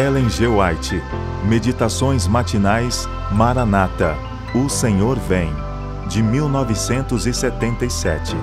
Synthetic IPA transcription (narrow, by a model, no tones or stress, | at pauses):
ɛlẽʒewajt͡ʃɪ | med͡ʒit̪asõj̃zmat͡ʃinajs | maɾanat̪ɐ | ʊsẽɲoɾvẽj̃ | d͡ʒɪmiwnɔvɪsẽnt̪ʊzɪset̪ẽnt̪ejsɛ̰t͡ʃɪ